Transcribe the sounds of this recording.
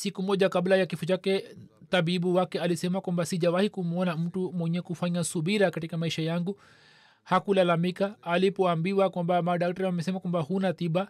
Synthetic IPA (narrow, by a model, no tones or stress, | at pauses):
sikumɔʄakablajakifɔt͡ʃakɛ | t̪abibuwakɛalisɛmakwambasiʄawahikum̩ɔnam̩tumwɛɲɛkufaɲasubiɾakatikamaiʃajaŋɡu | hakulalamikaːlipɔambiwakwambamaɗak̚taɾiwamɛsɛmakwambahunat̪iba